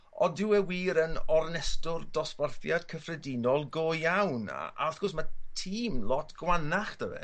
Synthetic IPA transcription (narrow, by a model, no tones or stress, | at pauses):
ɔdɪwɛwiːɾənɔrnɛstʊrdɔsparθjad̥kʰəfrɛdinɔlˠɡoːjjawna̰ʔaθɡ̥ɔsmatʰiːmlˠɔtʰɡ̥wanaχd̥əvɛ̰